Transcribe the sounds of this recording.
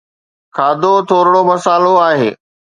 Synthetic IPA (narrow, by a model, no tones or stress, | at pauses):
kʰaːd̪ot̪ʰoːɾɽ̃omɐsaːloaːɦeː